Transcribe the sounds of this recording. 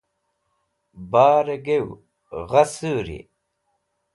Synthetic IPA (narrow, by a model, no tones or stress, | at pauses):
baːɾeɡew | ɣɐsuːɾḭ